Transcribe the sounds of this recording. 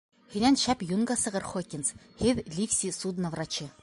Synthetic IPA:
hinænʃæpjunɡɑsɤ̆ʁɤ̆ɾχokʲins | hɘðlʲifsʲisud̪nɐvrɑt͡ɕɘ

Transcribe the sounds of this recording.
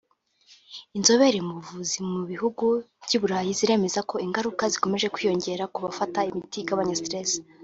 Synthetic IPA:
inzo̞βe̞ɾemuuvuzimuβihuɡuβɟuːβuɾaːjiziɾe̞me̞zako̞iŋɡaɾukaziko̞me̞ʒe̞kwiːjo̞ɲɟe̞ɾakuβafataimitiɡaβaɲastɾes

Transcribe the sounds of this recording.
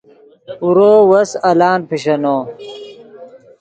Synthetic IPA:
uɾoːwɐsɐlaːnpʰiɕɐnoː

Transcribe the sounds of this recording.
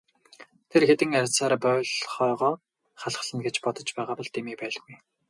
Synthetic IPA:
t̪ʰerxet̪ɘ̆ŋaɾʲt͡saːɾapœːɮχɔːʁɔː | χaɮχə̆ɮə̆nɡet͡ɕpɔt̪ɞ̆t͡ɕpæːʁaːpɔɮt̪imiːpæːɮɣuj

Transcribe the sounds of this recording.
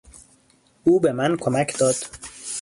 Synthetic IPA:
uːbemænkʰomæcʰd̪ɒːd̪̥

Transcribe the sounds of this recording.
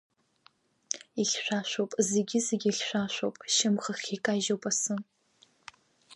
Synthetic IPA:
iɬʲʃʷᶣaʃʷowpʼzeɡʲɪzeɡʲiɬʲʃʷᶣaʃʷopʼʃɪmχəχʲikʼaʒowpʼasɨn

